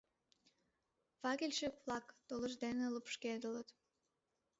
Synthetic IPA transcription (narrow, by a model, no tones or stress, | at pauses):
vɑkʲilʲʃekvlˠɑkt̪oləʒd̪eneləpʃked̪ələt̪